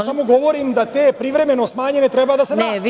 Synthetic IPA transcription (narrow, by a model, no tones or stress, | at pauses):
samoɡɔʋoɾimd̪at̪ɛpɾivɾɛmɛnosmaɲɛnɛt̪ɾɛbad̪asɛɛ